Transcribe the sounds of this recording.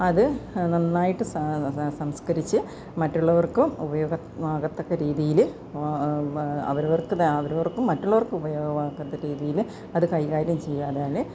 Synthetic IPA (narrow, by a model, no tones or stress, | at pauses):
ɐðɨnɐnːaːjiʈːɨssɐmskɐɾit͡ɕːɨ | mɐtːuɭːɐʋɐrkumubɐjo̞ːɡɐ | ʋaːɣɐt̪ːokːɐɾiːðijil | ɐ̰ʋɐɾuʋɐrkɨɐʋɐɾuʋɐrkːumːɐtːuɭːɐʋɐrkɨubɐjoːɡɐʋaːkːɐt̪ːɐɾiːðijil | ɐðɨkɐjkaːɾjɐmt͡ɕe̞jːaːðeaːl